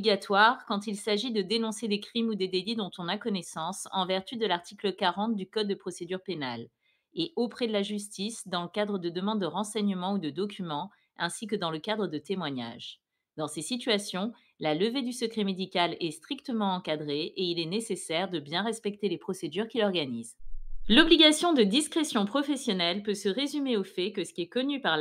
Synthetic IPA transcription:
iɡat̪waʁkɑ̃t̪ilsaʒid̪əd̪enɔ̃sed̪ekχimud̪ed̪elid̪ɔ̃t̪ɔ̃nakɔnɛsɑ̃sɑ̰̃vɛʁt̪yd̪əlaʁt̪ʰikləkaʁɑ̃t̪̚d̪ykɔd̪ːəpχɔsed̪yʁpenal | eʔopχɛd̪əlaʒys̬t̪isd̪ɑ̃ləkad̪ʁəd̪əd̪əmɑ̃d̪ːəʁɑ̃sɛɲəmɑ̃ud̪əd̪ɔkʲymɑ̃ | ɛ̃sik̬əd̪ɑ̃ləkad̪ʁəd̪ət̪emwaɲa̰ʒ | d̪ɑ̃sesit̪ɥasjɔ̃ | laləved̪ysəkχɛmed̪ikʲalɛst̪χikt̪əmɑ̃ɑ̃kad̪ʁeeilɛnesesɛʁd̪əbjɛ̃ʁɛspɛk̚t̪elepχɔsed̪yʁkʲilɔʁɡanizlɔbliɡasjɔ̃d̪əd̪iskχesjɔ̃pχɔfɛsjɔnɛlpøsəʁezymeofɛkəsə̥kʲiɛkɔnypaʁl

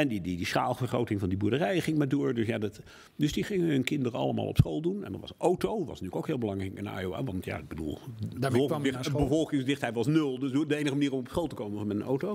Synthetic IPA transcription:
ɛndididisχa̰ːlˠvərχrowtɪŋvɑndibuːɹdərɛjχɪŋmaːdʊːɹdɵsjaːdɑt | dɵsdiχɪŋəɦɵnkɪndərəɑ̰lˠəma̰ːlˠɔ̰psχolˠdunɛ̰ndɑ̰tʋɑ̰sʔowtowʋɑ̰sntyːləkoʊwkɦɪːlˠbəlɑŋrɛkəna̰ːjoa̰ːʋɑntja̰ɪɡ̚bədṵlˠɔlˠɪbəvɔlˠkɪŋsdɪχtɛjʋɑsnɵlˠdsdəejnəχəmaniːrɔmɔpsχolˠtəkowmənvɑnmɛtənowtow

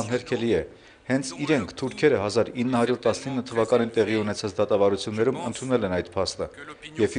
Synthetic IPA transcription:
nɦɛɾkʰɛliɛ | hɛnt͡sʰiɾɛŋkʰt̪ʰuɾkʰɛɾəɦɑzɑɾinːəhɑɾjuɾt̪ɑsnəinːət̪ʰəvɑkɑnint̪ɛʁiunɛt͡sʰɑt͡sd̪ɑt̪ɑvɑɾut͡sʰjunːɛɾumənt̪ʰunɛlɛnɑjt̪pʰɑst̪əjɛv

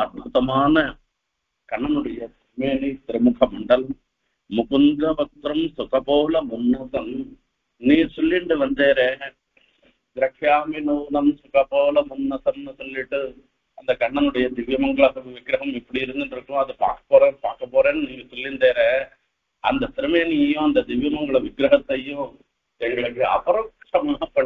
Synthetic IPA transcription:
ɐɾbʱʊt̪ɐmaːnɐ | kɐɳːɐnɯɽɐjɐsɪmeːnit̪ɪɾɯmʊkʰɐmɐɳɖɐl | mʊkʊnd̪ɐʋɐt̪ɾɐmsʊkɐpoːlɐmʊnːɐsɐm | nĩːsɔlːɪɳɖɯʋɐnd̪eːɾeː | d̪ɪɾɐkʰːjaːmɪnunɐmsʊkɐpoːlɐmʊnːɐsɐmnɯsɔlːɪʈːɯ | ɐnd̪ɐkɐɳːɐnɯɽɐjɐd̪ɪʋjɐmɐŋɡɐɭɐɐʋɪɡɾɐɦɐmɪpːɐɽiɪɾɯnd̪ɪnɖɾɯkːʊ̃ɐðɯpa̰ːɾkɐ̥pːoːɾeːnpaːɾkɐpːoːɾeːnːɯniːsɔlːɪnd̪eːɾeː | ɐnd̪ɐt̪ɪɾɯmɐniːjɐjʊ̃ɐnd̪ɐd̪ɪʋjɐmɐŋɡɐɭɐʋɪɡɾɐɦɐt̪ːɐjʊ̃ | t̪ɛɳɖɐɐkːeɐ̰pɐɾɐkʂɐmaːɦɐpːɐ

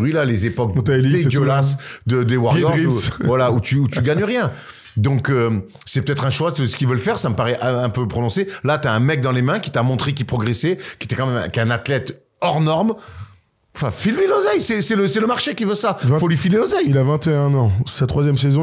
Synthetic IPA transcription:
ʁɥilalezepɔk̪̚aelied̪lasd̪əd̪ewaʁɔʁivwalaut̪yut̪yɡaɲəʁjɛ̃ | d̪ɔ̃kø | sɛpø̥t̪ɛt̪χɛ̃ʃwasəsə̥kʲilvəlfɛʁsaməpaʁɛʔɛ̃ɛ̃pøpχɔnɔ̃selat̪yaɛ̃mɛk̚d̪ɑ̃lemɛ̃kʲi̥t̪amɔ̃t̪χek̬ʲipχɔɡʁesɛkʲet̪ɛkɑ̃mɛmɛ̰̃kɛ̃nat̪lɛt̪ | ɔʁnɔʁm | ɑ̃fɛ̃filmelozajsɛsɛləsɛləmaʁʃekʲivøsãfolɥifilelozajilavɛ̃t̪eɛ̃nɑ̃sat̪χwazjɛmsezɔ̃

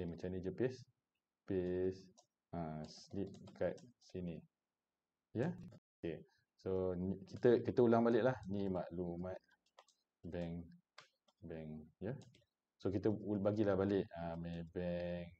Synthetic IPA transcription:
emə̃t͡ʃanid͡ʒəpes | pes | aslip̚kat̪̚sini | jəoke | sonikit̪əkit̪əulaŋbalɪʔlahnimaʔlumat̪̚ | bɛŋ | bɛŋjə | sokit̪əubaɡilahbalɪʔamẽbɛŋ

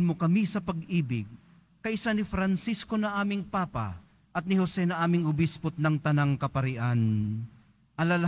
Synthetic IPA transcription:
nmokɐmisɐpɐɡʔiːbɪɡ̚ | kɐʔɪsanɪfɾɐnsiskonɐʔaːmɪŋpaːpa̰ | ʔɐt̪̚nɪhosɛnɐʔaːmɪŋʊbispʊt̪̚nɐŋt̪ɐnaŋkɐpɐɾɪʔan | ʔɐlalɐ

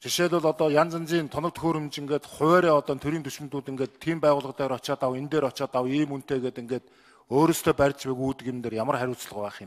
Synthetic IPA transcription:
t͡ɕʰiʃeːɮʊ̆ɮɔt̪ɔːjant͡sə̆nt͡siːnt̪ʰɔnɞ̆k̚t̪xoːɾemt͡ɕiŋɡeːt̪χʊ̟wæːɾiːɔt̪ɔːnt̪ʰɵɾiːnt̪ʰɵʃɪ̆mt̪uːt̪iŋɡeːt̪ʰːiːmpæːʁʊːɮʁə̆t̪æːɾɔt͡ɕaːt̪awent̪eːɾɔt͡ɕaːt̪awiːmun̥t̪eːɣeːt̪iŋɡeːt̪ | oːɾoːst̪ʰeːpæɾʲt͡ɕpæːɣuːt̪ɘ̆kemt̪eːrjamərχæɾʲʊːt͡s̆ɮʁʊ̆pæːχɪ̆m

